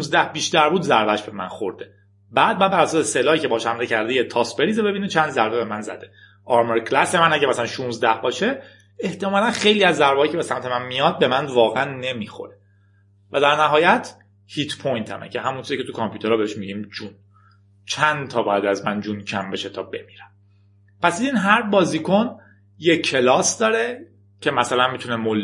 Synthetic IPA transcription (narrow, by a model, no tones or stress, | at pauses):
unzd̪æhbiːʃt̪æɾbuːd̪zæɾbæʃbe̞mæ̰nxo̰ɾd̪e | bæːd̪̚bæbæɾæsɒːseselɒːiːcʰebɒːɔʃæmdecʰæɾd̪ejet̪ʰɒsbe̞ɾiːzebe̞biːnet͡ʃʰænd̪zæɾbe̞be̞mænzæ̰d̪e̞̥ | ʔɒɾmeɾkʰlæsemænæɟæmæsælænʃunzd̪æhbɒːʃe | eht̪ʰemɒlænχejliːæzːæɾbeɒːjicʰe̞besæmt̪ʰe̞mænmijɒd̪̚be̞mænvɒːɣeʔænːe̞mixo̞̰ɾe | væd̪æɾnæɦɒːjæt̪ʰ | hit̪ʰpʰojnt̪ʰæ̰mḛcʰeɦæmunsizicʰeukʰɒmpʰjuːt̪ʰeɾɒbeheʃmiɟiːmd͡ʒun | t͡ʃʰænd̪t̪ʰɒːbɒːjæd̪æzmænd͡ʒuncʰæmbe̞ʃet̪ʰɒːbe̞mi̥ːɾæm | pʰæsid̪inɦæɾbɒːziːkʰo̞n | jekʰːelɒːsd̪ɒːɾe | cʰe̞mæsælænmit̪ʰunemol